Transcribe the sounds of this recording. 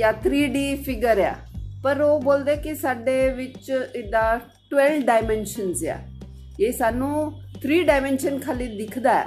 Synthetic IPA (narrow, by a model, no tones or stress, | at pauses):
jaːt̪ʰɾiːɖiːpʰɪɡəɾɛ̰ːpəɾoːboːld̪eːkisaːɖeːʋɪt͡ʃɪd̪aː | ʈʋɛlɖaːɪmɛ̃ːnʃənza̰ː | eːsaːnũː | t̪ʰɾiːɖaːɪmɛ̃ːnʃənkʰaːliːd̪ɪkʰd̪aːɛ̰ː